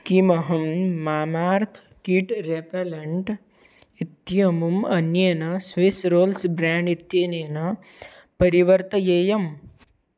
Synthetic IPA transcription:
kimɐɦɐmːaːmaːɾt̪ʰ | kiʈɾepɐlɐɳʈ | it̪jɐmumɐnjɐnɐsʋisɾoːlsbɾaːɳɖit̪jenenɐ | pɐɾiʋɐɾt̪ɐjeːjɐm

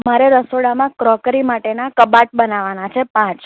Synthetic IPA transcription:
maɾeɾəsoɽamãkɾɔkɾimaʈenakəbaʈ̚bənaʋanat͡ʃʰepãt͡ʃ

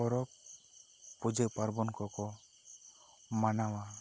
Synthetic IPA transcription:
ɔɾɔpː | ud͡ʒəʔpaɾbɔnkɔkɔ | manawa

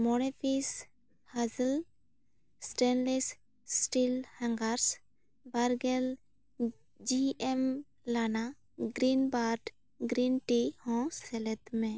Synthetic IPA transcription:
mɔɽepʰis | hazəl | sʈɛnles | sʈilhãŋɡaɾs | baɾɡɛl | d͡ʒiɛm | lana | ɡɾinbaɾʈ | ɡɾinʈihɔ̃sɛlɛt̪mɛ̃

